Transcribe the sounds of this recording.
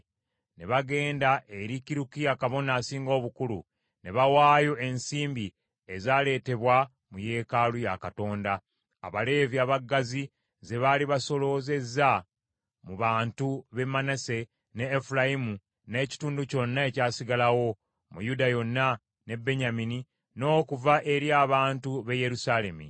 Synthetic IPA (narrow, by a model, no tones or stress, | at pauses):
ne̞βaɡe̞ːndaʔe̞ɾikiɾukijakaβo̞naːsiːŋɡo̞ːβukulṵ | ne̞βawaːjo̞e̞nsiːmbi | ezaːle̞ːte̞βwa | muje̞ːkalujakato̞ːnda̰ː | βale̞ːviaβaɡːazi | ze̞βaliβaso̞lo̞ːze̞za | muβaːntuβe̞mːanase̞ | ne̞ːfulajimu | ne̞ːci̥tuːnduco̞nːae̞caːsiɡalawo̞ | mṵjudajo̞nːa | ne̞bːe̞ɲamini | no̞ːkuvaʔe̞ɾiaːβaːntuβe̞je̞ɾusale̞mḭ